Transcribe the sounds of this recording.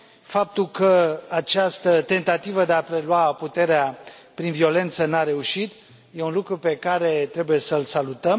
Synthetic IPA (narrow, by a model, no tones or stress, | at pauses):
fap̚t̪ulkəat͡ʃast̪ət̪e̞nt̪at̪ivəd̪e̞apɾe̞luaput̪e̞ɾeapɾinvio̞le̞nt̪sənaɾe̞uʃit̪ | je̞unlukɾupe̞kaɾe̞t̪ɾe̞buje̞səlsalut̪əm